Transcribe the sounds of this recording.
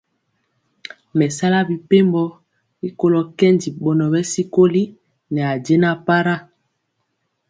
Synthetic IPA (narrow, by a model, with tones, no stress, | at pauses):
mɛ˨sa˦la˦bi˨pe˦mbɔ˦ | i˦ko˦lo˨kɛ˦ndi˨ɓɔ˨nɔ˨bɛ˦si˦ko˦li˦ | nɛ˨a˨dɛ˦na˨pa˦ɾa˦˨